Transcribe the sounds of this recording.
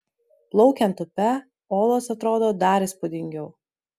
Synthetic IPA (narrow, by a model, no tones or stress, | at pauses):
plˠɒʊkʲɛnt̪ʊpʲɛ | oːlˠoːsɐt̪ɾoːd̪oːd̪ɑɾɪspʊd̪ʲɪŋʲɡʲɛʊ